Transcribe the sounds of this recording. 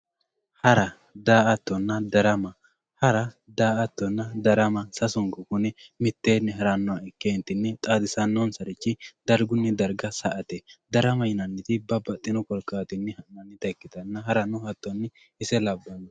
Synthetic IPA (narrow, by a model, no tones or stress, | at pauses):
hɐɾɐ | d̪aːɐt̪ːɔnːɐd̪ɐɾɐmɐ | hɐɾɐ | d̪aːʔɐt̪ːɔnːɐd̪ɐɾɐmɐsɐsʊŋɡɔkʊnɛmɪt̪ːeːnːɛɦɐɾɐnːʊwaɛkːeːnt̪ːɪnːɛt̪ʼaːd̪ɪsɐnːɔnsɐɾɪt͡ʃːɪd̪ɐɾɡʊnːɛd̪ɐɾɡɐsɐʔɐt̪ɛd̪ɐɾɐmɐjɪnɐnːɪt̪ɪbɐbɐt̪ʼːɪnɔkɔlkʼːaːt̪ɪnːɛhɐnɐnːɪt̪ɐɛkːɪt̪ɐnːɐɦɐɾɐnʊhɐt̪ːɔnːɛ | ɪsɛlɐbːɐn